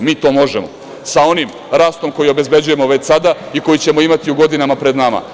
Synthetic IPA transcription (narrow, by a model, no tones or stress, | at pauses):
miːt̪o̞ːmo̞ʒemo | sao̞nim | ɾaːst̪o̞mko̞jio̞be̞zbe̞d͡ʑuje̞mo̞ʋe̞t͡ɕsad̪a | iko̞jit͡ɕe̞mo̞imat̪iuɡo̞d̪inamapɾe̞d̪nama̰